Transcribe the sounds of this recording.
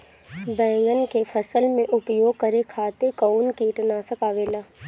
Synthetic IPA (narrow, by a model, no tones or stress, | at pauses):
bɛ̃ːŋɡənkepʰəsəlmẽʔʊpjoːɡ̚kɐɾekʰaːt̪ekoːnkiːʈnaːsəkaːʋeːlaː